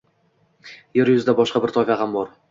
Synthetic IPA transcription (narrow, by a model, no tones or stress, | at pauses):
jeɾjʊzɪd̪abɒʃqɑbɪɾt̪ʰɒfʲaɦambɒɾ